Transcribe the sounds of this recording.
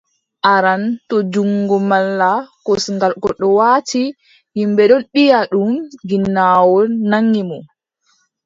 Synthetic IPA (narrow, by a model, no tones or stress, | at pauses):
ʔaɾantɔd͡ʒuŋɡɔmalːakɔsŋɡalkɔɗɔwaːti | himbɛɗɔnɓijaɗumɡinːaːwɔnːaŋːimɔ